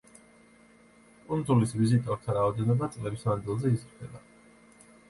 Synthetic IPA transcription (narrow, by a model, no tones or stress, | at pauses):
kʼund̪zulisvizit̪ʼɔɾt̪ʰaɾaɔd̪ɛnɔbat̪sʼlɛbismand̪ilˠzɛisɾd̪ʰɛba